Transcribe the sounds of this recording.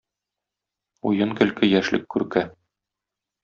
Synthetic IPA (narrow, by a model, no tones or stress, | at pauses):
ujɤŋkɘ̆lkɘjæʃlɘ̰kːʉɾkæ